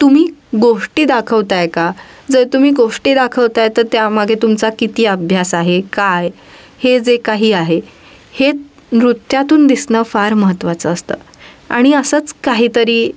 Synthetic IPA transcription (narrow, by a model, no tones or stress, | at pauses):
t̪um̤iːɡoʂʈiːd̪akʰəʋt̪ajkad͡zəɾt̪um̤iːɡoʂʈiːd̪akʰəʋt̪ajt̪əɾt̪jamaɡʱet̪umt͡sakit̪iːəbʱjasaɦekaj | hed͡zekaɦiːaɦe | he | ɾut̪jat̪uːnd̪isnəːfaɾməɦət̪ːʋat͡səːst̪ə̰ː | a̰ɽ̃iəsət͡skaɦiːt̪əɾiː